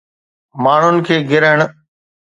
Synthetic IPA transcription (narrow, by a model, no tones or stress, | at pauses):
maːɳ̤ʊnɪ̆kʰeːɡɪɾəəɽ̃